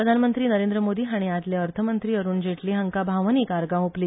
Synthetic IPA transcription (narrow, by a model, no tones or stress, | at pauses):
ɾəd̪ʱanmənt̪ɾiːnəɾẽnd̪ɾəmod̪iːɦaɽ̃iat̪leəɾt̪ʰəmənt̪ɾiːəɾuːnd͡ʑʱeʈliːɦəŋkabʱaʋniːkaɾɡãupliː